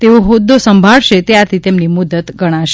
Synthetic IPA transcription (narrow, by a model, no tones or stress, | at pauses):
t̪eoɦod̪ːosəmbʱaɭʃet̪eat̪ʰit̪emnimud̪ət̪ɡəɽ̃aʃ